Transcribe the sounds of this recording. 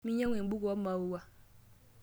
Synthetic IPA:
mi˦ɲa˦ŋʷe˨˦bu˦kɔ˦ma˨wu˦wa˦

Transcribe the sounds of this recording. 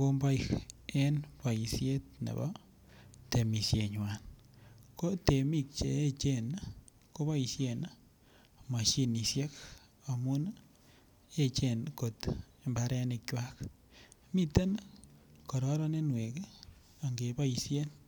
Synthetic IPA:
ko˦mba˦ikenpa˨i˨sje˦t̪̚nḛ˨bɔ̰˦ | t̪e˨mi˨sje˨ɲwan | ko˦te˨mi˦k̚t͡ʃeː˨˦t͡ʃe˦n | ko˦βa˦isjen | ma˨ʃi˦ni˨sje˦k | a˨mu˦n | e˦t͡ʃenko˨t̪ | embaɾɛ˦ne˨kt͡ʃwa˦k | mi˦t̪e˦n | kɔ˨ɾɔ˦ɾɔ˦ne˦nwe˨ke˦ | a˨ŋɡe˨ba˦isjen

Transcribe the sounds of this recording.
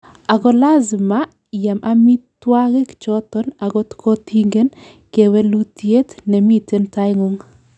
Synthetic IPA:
a˨ɡɔ˦la˦zma˦ | ja˨mʔa˦mi˦twa˦ɣe˦kt͡ʃɔ˦tɔ˦na˨ɡɔ˦tkʰo˦ti˦ŋɡe˦n | ke˨we˦lu˦ti˦e˦tnɛ˨mi˦te˦nta˦jŋo˦ŋ

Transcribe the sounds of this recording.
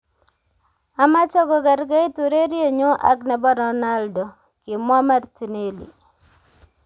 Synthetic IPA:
a˨ma˦t͡ʃɔ˦ɡɔ˨ɡa˨ɾɡa˦i˦tu˨ɾe˦ɾje˦˨ɲo˦ʔa̰˦ɡnɛ˨bɔ˦ɾɔ˨na˦ldɔ˨ | kɪ˨ma˦ma˦rti˨ne˦lḭ˨

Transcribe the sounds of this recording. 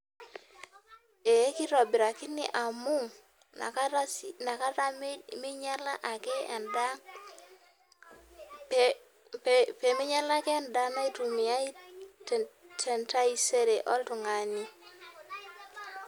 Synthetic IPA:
e˨e˦ki˦ɾɔ˨bi˨ɾa˨kɪ˦nḭ˦ʔa˨mu˦ŋ | na̰˨kaana˨ka˦ɾa˦mmi˦ɲa˦la˦ʔa˨kɛ˦˨nda˦ | pe˨mɪ˦ɲa˦la˦kːnda˦na˦i˦tu˨mi˨a˦i˦ttʰɛ˨nta˦i˦se˦ɾe˨ʔɔ˦ltu˨ŋa˨ni˦

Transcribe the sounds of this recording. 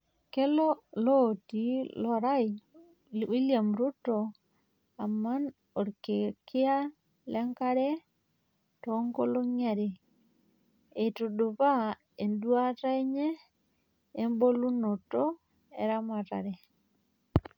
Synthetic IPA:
ke˦lɔ˦lo˦˨ti˨lɔ˦ɾa˦i | wi˦lja˨mɾu˦tɔ˨ | a˨ma˦n | o˨ɾke˨kɪ˦a˦ | lɛ˦ŋka˦ɾɛ˦ | tɔ˦ŋɡo˦lo˦ŋa˨ɾe˨ | e˨tu˨do˨βa˦ | e˨ndwa˦ta˦e˦ɲeː˦ | mbo˦lu˦no˨to˦ | e˨ɾa˦ma˨ta̰˨ɾe˨

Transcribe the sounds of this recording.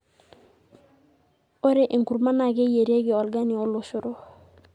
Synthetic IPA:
o˦ɾe˨ʔi˨ŋku˨ɾma˦na˨ɡe˦je˨ɾe˦ɡi˨ɔ˨lɡa˦ni˨o˦lo˨su˦ɾo˦

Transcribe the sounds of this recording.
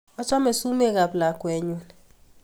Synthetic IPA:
ɔ˦t͡ʃɔ˦mɛ˨su˦me˦˨ɡa˨pla˨kwɛ˨ɲu˦n

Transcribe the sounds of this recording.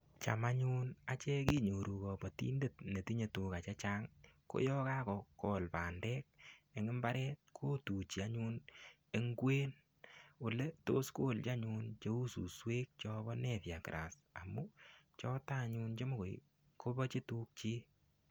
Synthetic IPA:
t͡ʃa̰˨ma˦ɲu˦na˨t͡ʃɛ˦ki˦ɲo˨ɾu˨kɔ˨bɔ˨tḭ˦nde˦˨tne˨ti˦ɲe˨tu˨ka˨t͡ʃe˦t͡ʃa˦ŋko̰˦jɔ˦ka˦kɔ˨kɔ˨lpaː˨ndɛ˦k̚e˨ŋɪ˦mba˦ɾɛ˦t̚kʰoː˦tu˨t͡ʃi˨a˦ɲu˦n | e˦ŋɡwe˦n | u˨le˦to˦sko˦˨lt͡ʃa˦ɲu˧nt͡ʃe˦u˦su˨swe˦k̚t͡ʃɔ˦bɔ˦nɛ˨tja˨ki˨ɾʔa˨s | a̰˨mu˦t͡ʃɔ˦ta˦˨ɲu˦nt͡ʃe˦mo˦ko˨j | kʰo˦bɔ˦t͡ʃe˦tu˦k̚t͡ʃi˦

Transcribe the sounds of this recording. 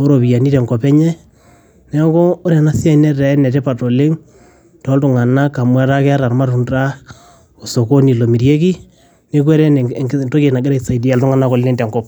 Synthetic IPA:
o˦ɾo˨βi˨ja˨ni˦ɾɛ˨ŋɡɔ˨pɛ˦ɲɛ˦ | nɛ˦kɔː˦ɾɛ˨na˦sja˦i˨˦nɛ˦ɛ˨ɛ˦nɛ˨tɛ˦pa˨to˨le˦ŋ | tɔ˨˦ltʊ˨ŋa˨na˦ka˨mwa˦ɾa˦kɛ˦a˦ɾa˨ɾma˦ɾu˨nda˦ | o˨so˨ko˦ni˨lo˨mi˨ɾje˦k̬i˦ | ne˦k̬wɛ˦ɾɛ˦˨to˦ke˨na˨ɡe˦ɾa˦isa˨i˨di˦a˨ltʊ˦ŋa˨na˦ko˨lːe˦ntɛ˨ŋɡɔ˦p̚

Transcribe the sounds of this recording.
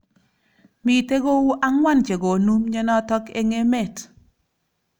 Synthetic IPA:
mi˨te˦ɡo˦wu˦ʔa˦ŋwa˦nt͡ʃe˨ɡo˨nu˦mɲɛ˦nɔ˦tɔ˦ke˦ŋe˦mɛ˦˨t

